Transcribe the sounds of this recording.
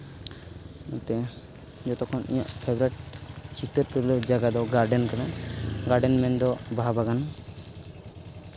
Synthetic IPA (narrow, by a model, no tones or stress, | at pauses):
nut̪ɛ | d͡ʒɔt̪ɔkʰɔnʔḭɲa̰ʔpʰɛbɾɛʈ̚t͡ʃʰit̪əɾt̪uɾlɔd͡ʒaɡad̪ɔɡaɾɖɛnkanaɡaɾɖɛnmɛnd̪ɔbabaɡan